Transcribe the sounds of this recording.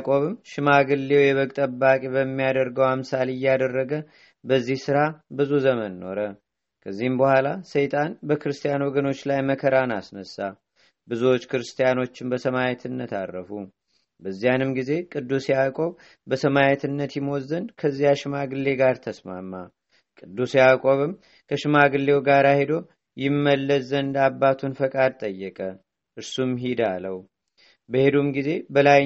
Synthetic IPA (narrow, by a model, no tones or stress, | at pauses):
kʼo̞βɨmʃɪmaɡɨlːe̞wjɛβəkʼt̪ʼəbːakʼeβəmːijad̪əɾɡəwamsalɨjːad̪ərːəɡə | bəzːihsɨɾabɨzuzəmənːo̞ɾə | kʰəzːihɨmbəhʷalasəjt̪ʼanbəkɨɾɨst̪ʼijanwɔɡəno̞t͡ʃːlajməkʰəɾanasnəsːa | bɨzuwo̞t͡ʃːkʰɨɾɨst̪ʰʼijano̞t͡ʃːɪmbəsəmajɛt̪ʰɨnːət̪a̰rːəfu | bəzːijanɨmɡize̞kʼɨd̪ːuseakʼo̞β | bəsəmajɛt̪ʰɨnːət̪jɪmwɔzːənkʰəzːijaʃɪmaɡɨlːe̞ɡaɾt̪ʰəsmamːa | kʼɨd̪ːuseakʼoβɨm | kʰəʃɨmaɡɨlːe̞wɡaɾahed̪o̞ | jɪmːəlːəzənd̪abːat̪ʰunfəkʼad̪̚t̪ʼəjːɛkʼə | ʔɨɾsumɦid̪aləw | bəhe̞d̪umɡize̞bəlaj